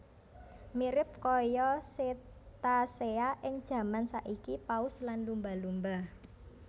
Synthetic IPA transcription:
miɾɪp̚kɔjɔset̪aseaʔɪŋd̥ʒ̥ä̤mansaʔikipaʊslanlumbalumba

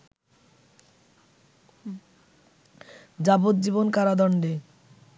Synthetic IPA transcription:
d͡ʑabot̪̚d͡ʑibonkaɾad̪ɔɳɖe

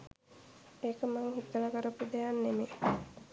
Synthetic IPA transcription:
ekəmaŋhit̪ːəlakəɾəpːud̪ejanːeme

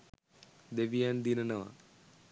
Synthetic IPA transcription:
d̪eʋijand̪inɐnɐʋɐ̰

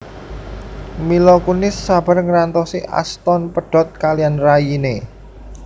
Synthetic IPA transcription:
milɔkunɪsːab̥a̤rŋəɾant̪ɔsiʔa̰st̪ɔnpəɖ̥ɔ̤t̪̚kalijanrajine

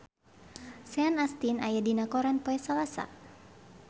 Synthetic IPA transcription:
sɛanast̪inajadinakɔɾanpoɛsalasa̰

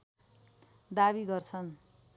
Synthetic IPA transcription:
d̪abiɡʌrt͡sʰʌn

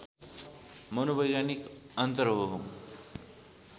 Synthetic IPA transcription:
mʌnobʱʌjɡanik | ʌnt̪ʌrɦoɦoŋ

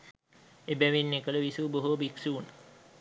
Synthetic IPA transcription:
ebæʋinːekələʋisuːboɦubiksuun

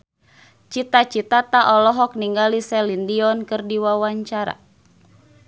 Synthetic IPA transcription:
t͡ʃit̪at͡ʃit̪at̪aʔɔlɔɦɔk̚niŋɡalisɛlindiɔnkɨrdiwawaɲt͡ʃaɾa̰

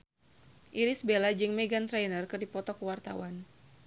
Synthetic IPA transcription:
ʔiɾɪsbelad͡ʒɨŋmeɡant̪ɾɛjnərkɨrdipɔt̪ɔkəwart̪a̰wan

